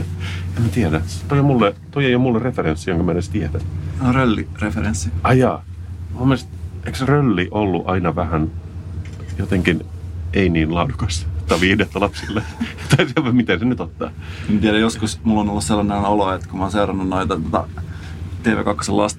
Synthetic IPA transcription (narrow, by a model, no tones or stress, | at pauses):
emmæt̪iɛɾæt̪ojomulːet̪oieijomulːerefeɾensːijoŋkømænest̪iɛdæneorølːḭrefeɾensːiɑjɑːmumːest̪eiksrølːiʔolːuʔɑinɑʋæhæn | jot̪eŋkineiniːnlɑudukɑst̪ːɑʋiːdet̪ːɑlɑpsilːet̪ɑisieʋɑmit̪ensenyt̪ot̪ːɑ̰ː | emt̪iæɾæjoskusmulːonolːusselːɑnenoloet̪kumɑːnseurɑnːunnoit̪ɑt̪ot̪ɑ̰ | t̪eːʋḛːkɑkːo̥selːɑst̪